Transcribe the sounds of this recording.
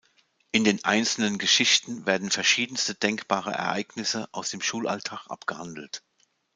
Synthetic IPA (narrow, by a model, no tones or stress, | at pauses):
ʔɪndeːnʔaɪnt͡sl̩nənɡəʃɪçtn̩veːɐdn̩fɛɐʃiːdn̩stəd̥ɛŋkb̥aːʁ̞ə̰ʔɛ̰ɐʔaɪɡnɪsəʔaʊsd̥eːmʃuːlʔa̰ltʰaːχʔa̰pɡ̥əhandl̩t